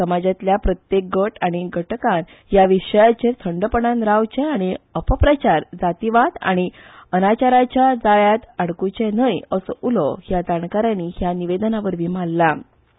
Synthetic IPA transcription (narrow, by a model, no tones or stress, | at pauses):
səmad͡ʑat̪ljapɾət̪jek̚ɡəʈaɽ̃iɡʱəʈkãn | ɦjaʋiɕəjat͡ɕet̪ʰəɳɖəpəɳanɾawt͡ɕeaɽ̃iəpəpɾət͡ɕaɾd͡zat̪iʋat̪a̰ɽ̃iənat͡ɕaɾat͡ɕjad͡zaɭjat̪aɽkut͡ɕenəjəsəʔulɔɦjad͡zaɳkaɾaniɦjaniʋed̪ənaʋəɾʋim̤alːa